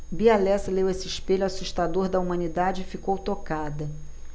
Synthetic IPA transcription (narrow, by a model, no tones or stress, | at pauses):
bialɛsɐlewesɪɪʃpeʎʊasuʃt̪ad̪oɾd̪ɐumɐ̃nid̪ad͡ʒɪɪfikowt̪okad̪ɐ